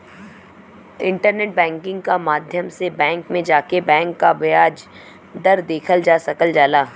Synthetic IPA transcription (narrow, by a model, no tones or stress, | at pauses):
ɪ̃ɳʈəɾneːʈ̚bɛ̃ːŋkɪ̃ŋɡ̚kamaːd̪ʱjəmsebɛ̃ːŋkmẽd͡ʒaːkebɛ̃ːŋkːabɪjaːd͡ʒ | d̪ɐɾd̪eːkʰəld͡ʒaːsɐkəld͡ʒaːlaː